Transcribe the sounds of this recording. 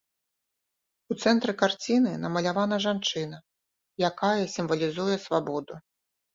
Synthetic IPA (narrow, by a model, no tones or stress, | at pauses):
ut̪sɛnt̪ɾɨkart͡sʲinɨnɐmɐlʲavanɐʐant͡ʂɨnɐ | jakajɐsʲimvɐlʲizujɛsvabɔd̪u